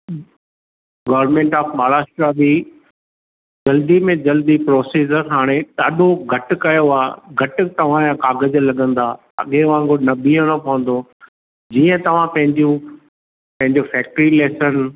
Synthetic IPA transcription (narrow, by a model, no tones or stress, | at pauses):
ɡɐːʋɾmẽːɳʈaːfmaːɾaːsʈɾabi | d͡ʑɐld̪imẽd͡ʑɐld̪ipɾɔːsiːd͡ʑəɾɦaːɽ̃etɐɗoɡʱɐʈʊ̆kɐjoaːɡʱɐʈʊ̆t̪ɐʋ̤ãjãkaːɡəd͡ʑlɐɠə̃nd̪aː | ɐ̰ɠeʋãŋɡonɐbiə̃nɐpɐʋə̃n̆d̪o | d͡ʑiːə̃t̪ɐʋ̤ãpɐ̃ɦɪ̃ɲd͡ʑjũ | pɐ̃ɦɪ̃ɲd͡ʑofɛːk̚ʈɾileːsən